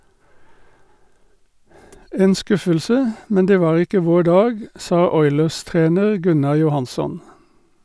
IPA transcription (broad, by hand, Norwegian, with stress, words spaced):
ˈeːn ˈskʉfəlsə ˈmɛn ˈdeː ˈʋɑːʁ ˈɪkə ˈʋoː ˈɖɑːɡ ˈsɑː ˈɔʏləʁˌstʁeːnəʁ ˈɡʉnɑ jʊˈhɑnsɔn